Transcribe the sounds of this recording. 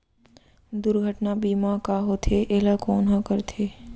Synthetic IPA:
d̪ʊɾɡʱəʈnabiːmakaːɦot̪ʰeʔeːlakoːnɦãkəɾt̪ʰeː

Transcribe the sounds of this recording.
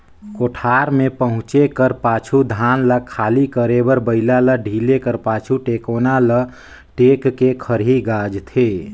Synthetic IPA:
koʈʰaːɾmẽpəɦʊ̃t͡ʃekəɾpaːt͡ʃʰud̪ʱaːnləkʰaːlikəɾebəɾbəɪlaləɖʱiːlekəɾpaːt͡ʃʰuʈeːkoːnalə | ʈeːkːekʰəɾɦiɡaːd͡ʒt̪ʰe

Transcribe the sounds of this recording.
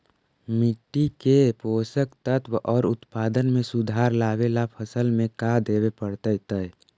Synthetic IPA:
mɪʈːikepoːsəkt̪ət̪wʔɔːɾʊt̪paːd̪ənmẽsʊd̪ʱaːɾlaːbelapʰəsəlmẽkad̪eːwepəɽt̪əjt̪əɛ

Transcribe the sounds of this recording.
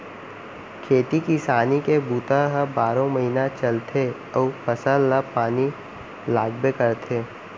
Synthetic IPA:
kʰeːt̪ikisaːnikebuːt̪ãɦəbaːɾõməɦiːnat͡ʃɐlt̪ʰe | ɔːpəsəlːapaːni | laːɡbekəɾt̪ʰeː

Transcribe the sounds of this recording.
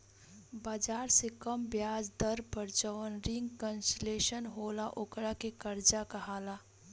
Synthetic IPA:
baːd͡ʒaːɾsekəmbjaːd͡ʒd̪əɾpəɾt͡ʃəʋənɾɪ̃ŋɡkə̃nseleːʃənɦoːlaʔʊkɾakekəɾd͡ʒakaɦaːlaː

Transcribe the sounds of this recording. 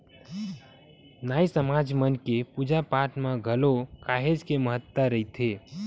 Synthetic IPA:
naːjsəmad͡ʒmənkepud͡ʒapaʈmẽɡʱəlokaɦed͡ʒkeməɦət̪ːəɾəɦit̪ʰe

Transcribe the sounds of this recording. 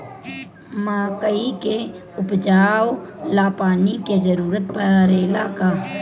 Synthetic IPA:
maːkəike | ʊpd͡ʒaːwlaːpaːnikezəɾuːɾət̪pəɾeːlaːka

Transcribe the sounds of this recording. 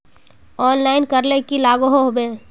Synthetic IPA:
ɔːnlaːɪnkəɾlekilaːɡoɦoɦobeː

